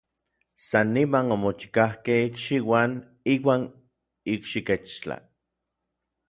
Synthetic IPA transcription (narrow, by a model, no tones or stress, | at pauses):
sanːimanomot͡ʃi̥kahkehikʃiwan | iːwaːn | ikʃiket͡ʃt͡ɬa̰